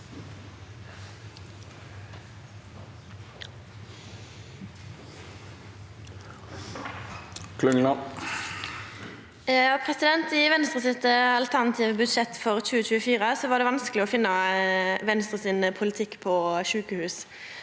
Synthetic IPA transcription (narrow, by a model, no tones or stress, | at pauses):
kʰlʉŋnɑ | pʰʁɛsɪd̪ɛnt̪ɪʋɛnst̪ʁəsɪt̪əɑlt̪ʰæʁnɑt̪ʰiːʋbʉd̪ʃɛt̪fɔʁt͡ʃʉːət͡ʃʉːəfiːʁəsɔʋɑːd̪ɛːʋɑnskəlɪɔfɪnːəʋɛnst̪ʁəsɪːnəpʰʊlɪt̪ʰɪkːpʰɔʃʉːkəhʉːs